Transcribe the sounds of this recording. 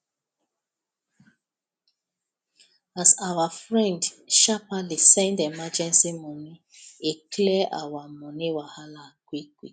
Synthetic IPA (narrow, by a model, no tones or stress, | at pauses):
azawafɹɛ̃ndʃapalisɛ̃ndemad͡ʒɛ̃nsimɔni | eklɛʔa̰wamɔniwahalakʷikwi